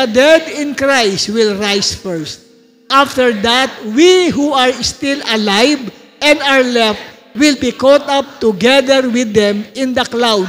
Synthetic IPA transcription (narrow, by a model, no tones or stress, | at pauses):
ɐd̪ɛd̪ɪ̃nkɹajst̪wɪlɹajsfɛɹst̪̚ | ʔaft̪ɛɹd̪at̪̚wiɦuaɹst̪ɪlɐlajv | ʔɛ̃nd̪aɹlɛf | wɪlbikɔt̪ap̚t̪ʊɡɛd̪ɛɹwɪd̪ɛ̃mɪ̃nd̪ɐklawd̪